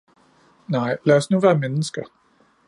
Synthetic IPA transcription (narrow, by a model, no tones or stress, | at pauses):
nɑ̈ɪ̰læɒsnuʋæːɐmenəsɡ̥ɐ